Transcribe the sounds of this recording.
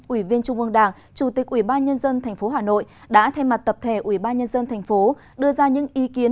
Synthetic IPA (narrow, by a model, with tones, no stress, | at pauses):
ʔwi˧˩vi˧ənt͡ɕʊ˧ŋ͡mʔɨ˧əŋɗaː˧˩ŋ | t͡ɕu˧˩t̪i˨˩k̚ʔwi˧˩ɓaː˧nɲə˧nzə˧nt̪ʰɛ˨˩ŋ̟fo˨˦ɦaː˨˩no̰˧˨j | ɗa̰ː˧˥t̪ʰa˧jma˨˩t̚t̪ə˨˩p̚t̪ʰe˧˩ʔwi˧˩ɓaː˧nɲə˧nzə˧nt̪ʰɛ˨˩jŋ̟fo˨˦ | ɗɨ˧əzaː˧ɲɨ̰˧˥ŋʔi˨˦ki˨˦ə